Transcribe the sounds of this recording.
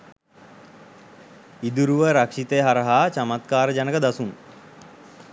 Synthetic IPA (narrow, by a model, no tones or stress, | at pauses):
id̪uɾuʋəɾakʂit̪əɦaɾəɦaːt͡ʃamat̪̚kaːɾəd͡ʒanəkəd̪asun